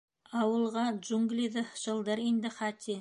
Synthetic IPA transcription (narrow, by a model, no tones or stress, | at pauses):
ɑwə̆lˠʁɑd͡ʒuŋɡlʲiðəʃə̆lˠd̪əɾind̪ɪχɑt̪ʲʰi